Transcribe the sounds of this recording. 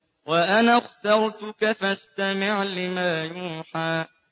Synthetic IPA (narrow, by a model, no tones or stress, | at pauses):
waʔanaxt̪ɑɾˤt̪ʊkafast̪amɪʕlɪmaːjuːħaː